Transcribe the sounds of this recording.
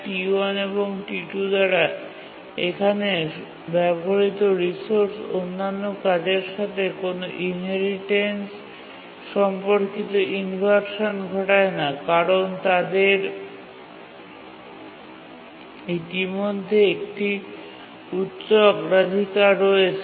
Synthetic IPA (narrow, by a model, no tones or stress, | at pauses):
ʈianeboŋʈiʈud̪aɽa | ekʰane | bɛboɦaɾit̪oɾisoɾsonːanːokad͡ʑeɾʃat̪ʰekonoʔinɦeɾiʈens | ʃɔmpoɾkit̪oʔinfaɾʃonɡʱɔʈaenakaɾont̪ad̪eɾ | it̪imod̪ʱːeek̚ʈi | ut̪ɕokɾad̪ʱikaɾɔet͡ɕʰe